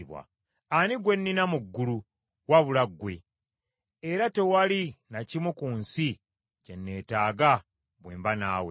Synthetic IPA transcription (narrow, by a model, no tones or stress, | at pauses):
βwa̰ | aniɡwe̞nːinamuɡːulu | waβulaɡːwe̞̰ | eɾate̞walinacimukuːnsi | ce̞nːe̞ːtaːɡa | βweːmbanaːwe